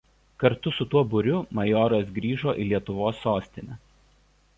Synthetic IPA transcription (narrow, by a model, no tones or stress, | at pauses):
kɐɾt̪ʊsʊt̪uɔbʊɾʲʊmɐjɔːɾɐs̬ɡɾʲiːʒoːʔilʲiɛt̪ʊʋoːsːoːsʲt̪ʲɪnʲɛ